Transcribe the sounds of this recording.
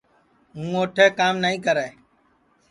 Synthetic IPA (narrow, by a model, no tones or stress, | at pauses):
ɦũːoːʈʰeːkaːmnəːĩːkəɾɛː